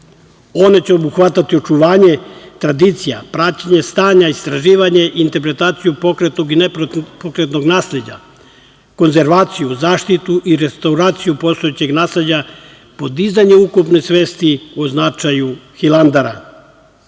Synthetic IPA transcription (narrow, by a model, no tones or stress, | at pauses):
o̞ne̞t͡ɕeo̞buxʋat̪at̪io̞t͡ʃuʋaːɲe̞t̪ɾad̪iːt̪sijapɾat͡ɕaɲe̞st̪aːɲaist̪ɾaʒiːʋaɲeʔint̪e̞ɾpɾe̞t̪aːt̪sijupokɾet̪no̞ɡineppokɾet̪no̞ɡnaːsle̞d͡ʑa̰ | ko̞nze̞ɾʋaːt̪sijuzaːʃt̪it̪uʔiɾest̪auɾaːt̪sijupo̞st̪ojet͡ɕe̞ɡnaːsled͡ʑa | po̞d̪izaɲeukupnesʋe̞ːst̪ioznat͡ʃajuxilˠand̪aɾa̰